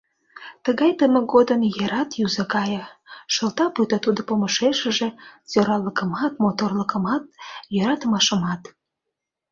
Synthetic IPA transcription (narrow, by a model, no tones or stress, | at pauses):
t̪əɣɑjt̪əmə̆ɣod̪ənjəɾɑt̪jyzəkɑjəʃəlt̪ɑpyt̪ɑt̪ud̪opoməʃeʃə̆ʒĕt͡soɾɑləkə̆mɑt̪mot̪orləkə̆mɑt̪̚jøɾɑt̪əmɑʃə̆mɑt̪